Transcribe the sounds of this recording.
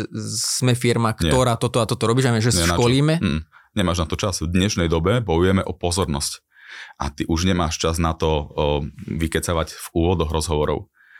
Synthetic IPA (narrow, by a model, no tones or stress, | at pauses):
z̥mɛfiɾmakt̪ɪɛɔɾaːt̪ɔt̪ɔat̪ɔt̪ɔɾɔbiːʒaʋɛʒɛsɛʃakɔliːmɛm̩ɲɛmaːʒnat̪ɔt͡ʃazvd̪ɲɛʃnɛjd̪ɔbɛbɔjujɛmɛʔɔpɔzɔɾnɔsc | ʔa̰t̪iʔuʒɲɛmaːʃt͡ʃaznat̪ɔ | ʋikɛt͡saʋaɟv̥uːʋɔd̪ɔɣɾɔzɦɔʋɔɾɔ̰ʊ